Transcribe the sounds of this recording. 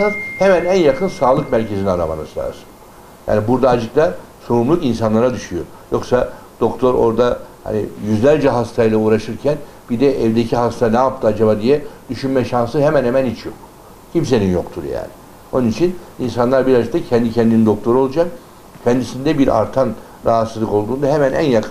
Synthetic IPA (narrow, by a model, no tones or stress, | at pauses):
azhemænænjakʰɯnsaːlˠɯkmæɾce̞ziniaɾama̰nɯ̰sa̰sɯ̥n | ja̰ːnibuɾd̪aːd͡ʒɯkd̪a | so̞ɾumlˠukins̬anlˠaɾad̪yʃyjo̞̰ | jo̞ksad̪̥o̞kt̪ʰo̞ɾo̞̰ɾd̪aha̰nḭjyzlʲælʲd͡ʒɛɦast̪ʰailˠauːɾaʃɯɾcʰæn | b̥id̪ɛʔɛvd̪ecʰiɦast̪ʰanɛːp̚t̪ʰɯad͡ʒabad̪ijɛd̪̥yʃynmɛʃansɯɦemænhemænhit͡ʃʰjo̞k̚ | cʰims̬e̞ninjo̞kt̪ʰuɾja̰ːni | onunit͡ʃʰininsanlˠaɾbiɾazɯk̚t̪ʰacʰɛnd̪icʰɛnd̪inind̪o̞k̚t̪ʰo̞ɾuo̞lˠud͡ʒak | cʰɛnd̪isind̪ɛbiɾʔa̰ɾt̪ʰan | ɾaɦat̪sɯzlˠɯko̞lˠd̪uːnd̪aɦemænʔæ̰njakʰ